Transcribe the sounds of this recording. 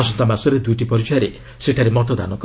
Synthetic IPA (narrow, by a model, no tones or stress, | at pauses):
ɔsɔnt̪amasɔɾed̪ujʈipɔɾid͡ʒɔjaɾe | seʈʰaɾemɔt̪ɔd̪a̰nɔk